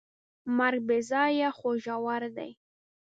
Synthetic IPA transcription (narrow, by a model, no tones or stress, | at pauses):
maɾɡ̚bezɑjaxoʒawaɾd̪a̰j